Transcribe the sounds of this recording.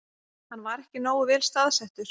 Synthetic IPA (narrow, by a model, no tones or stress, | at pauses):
hanːvaɾɛhcɪnoːwʏvɛːlst̪aðsɛht̪ʏɾ̥